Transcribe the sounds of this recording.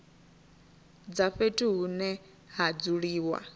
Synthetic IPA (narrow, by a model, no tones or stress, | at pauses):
d͡zaɸetʼiɦunɛ | ɦad͡zuɺiːwa̰